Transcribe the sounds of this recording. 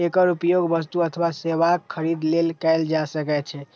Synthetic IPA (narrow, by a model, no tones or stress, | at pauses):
ekəɾupjoɡbəst̪uət̪ʰəbaseʋakʰːəɾid̪lelkɛjld͡ʒasəkɛt̪̚t͡ʃʰɛ